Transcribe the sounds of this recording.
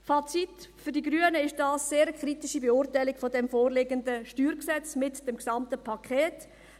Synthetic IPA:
fɑt͡sitfʏɾdiɡɾyənəɪʃd̥ɑːsːeːɾəkχɾitiʃibeʊːrtaɪlɪkfɔdɛmfoːrlɪɡəndəʃtyːɾksɛt͡smɪtd̥ɛmksɑmtəpʰɑkʰχɛːt

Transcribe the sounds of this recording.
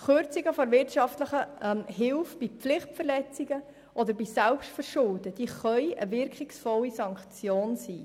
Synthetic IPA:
χøɾt͡siɡəfɔɾvɪrtʃɑftləχəɛmɦɪlfb̥iflɪχtfərlɛt͡siɡ̥ə | ʔɔd̪əɾbisɛlpʃtfəɾʃʊldəd̥iːχœʏə̰vɪɾkχɪksfɔlːisɑŋkt͡sjoːnsiː

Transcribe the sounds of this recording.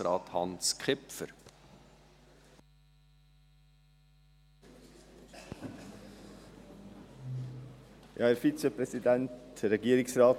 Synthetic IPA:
ɾɑːthɑnskχɪpə̰ɾ | jʔɑ̰ːæɾfit͡səpɾɛsidæntɾɛɡiːəɾɪksɾɑː

